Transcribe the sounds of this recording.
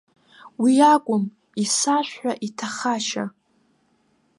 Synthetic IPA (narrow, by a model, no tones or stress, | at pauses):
wiakʷʼʊm | isaʃʷᶣħʷᶣaʔitʰaχaʃa̰